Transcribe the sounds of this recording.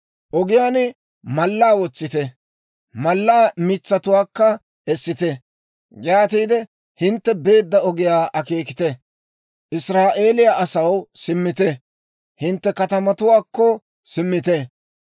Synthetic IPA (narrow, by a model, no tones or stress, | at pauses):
ʔɔɡɪjaːnɪ | mɐlːaːwɔt͡sːɪt̪ɛ | mɐlːaːmɪt͡sːɐt̪ʊwaːkːɐ | ɛsːɪt̪ɛ | ɡaːt̪iːd̪ɛ | hɪnt̪ːɛbe̞ːd̪ːɐɔɡɪjaːʔɐkeːkɪ̥t̪ɛ | ʔɪsɾaːʔe̞ːlɪjaʔɐsɐwsɪmːɪt̪ɛ | hɪnt̪ːɛkɐt̪ɐmɐt̪ʊwaːkːɔ | sɪmːɪt̪ɛ